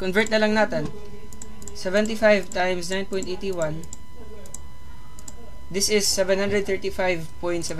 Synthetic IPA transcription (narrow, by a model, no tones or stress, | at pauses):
kɔnvɛɹt̪̚nɐlɐŋnaːt̪ɛn | sɛvɛ̃nt̪ifajvt̪ajmsnãjnpɔj̃nt̪ʔejt̪iwɐ̃n | d̪ɪsɪsːɛvɛ̃nhand̪ɾɛd̪̚θɛɹt̪ifajvpɔj̃nt̪sɛv